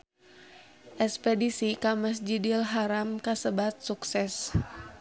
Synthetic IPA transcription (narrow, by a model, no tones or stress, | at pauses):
ʔɛspɛdisikaməs̬d͡ʒidilɦaɾamkasəbat̪̚suksɛs